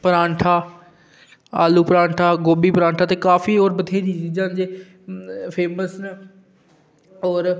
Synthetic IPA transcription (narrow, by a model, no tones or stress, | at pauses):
pəɾãːɳʈʰaː | a̰ːluːpəɾãːɳʈʰaːɡoːbiːpəɾãːɳʈʰaːt̪eːkaːfioːɾbət̪ʰeːɾiːt͡ʃiːd͡ʒãːnd͡ʒeː | pʰeːməsn | ɔːɾ